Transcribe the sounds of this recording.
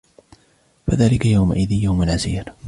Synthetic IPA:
faðaːlɪkajawma̰ʔɪðiːjawmalʕaziːɾ

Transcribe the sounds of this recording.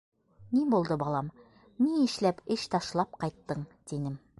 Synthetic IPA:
nibulˠd̪ɤbɒlˠɑm | niɘ̆ʃlæpɘʃt̪ɑʃlˠɑp̚qɑjt̪ːɤɴt̪inɘm

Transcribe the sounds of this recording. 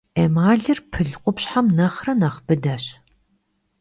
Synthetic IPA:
emaːɮɨrpʰɨɮqʷʊpɕħamnɐχrɐnɐχb̥ɨdɐɕ

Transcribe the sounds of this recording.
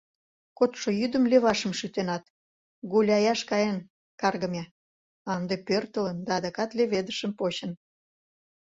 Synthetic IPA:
kot̪ʃojyd̪ə̆mleβɑʃəmʃyt̪enɑt̪ | ɡulʲɑjɑʃkɑjen | kɑrɣə̆mʲe | ɑnd̪epørt̪ələnd̪ɑːd̪ɑkɑt̪leβed̪əʃə̆mpoɕən

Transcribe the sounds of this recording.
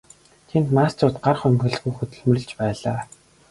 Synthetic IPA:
t̪ʰent̪maːstʰʊrt̪ɢarχɵmɡʲɘ̆ɮxuːxɵt̪ɵ̆ɮmɵ̆rɘ̆ɮt͡ɕpæːɮaː

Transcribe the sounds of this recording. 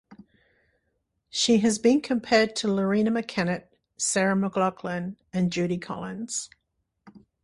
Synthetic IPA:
ʃiəzbĩnkʰə̃mpʰɛːd̚tʰələɹĩnəməkʰænɨt̚ | sɛɹəməɡlɑkʰlə̃n | ɨ̃nd͡ʒʉɾikʰɒ̰lˠɪ̃nz̥

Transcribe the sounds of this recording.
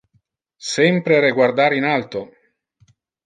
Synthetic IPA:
sɛmpɾeɾeɡward̪aːɾinalt̪o

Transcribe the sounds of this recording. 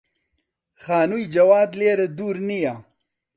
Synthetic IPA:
xaːnujd͡ʒɐwaːd̪leɾed̪uɾnija

